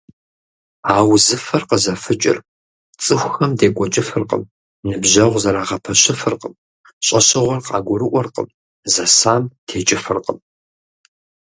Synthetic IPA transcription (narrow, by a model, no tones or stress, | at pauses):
aːwzɨfɐrqəzɐfɨt͡ʃʼɪ̰r | t͡sʼɨxʷxɐmdeːkʷʼɔt͡ʃʼɪfɨrqə̰m | nɨbʑɐʁʷzɐɾaːʁɐpʰɐɕɪfɨrqəm | ɕʼɐɕɪʁʷɔrqɑ̰ːɡʷʊɾɨʔʷɔrqə̰m | zɐsaːmtʰeːt͡ʃʼɪfɨrqəm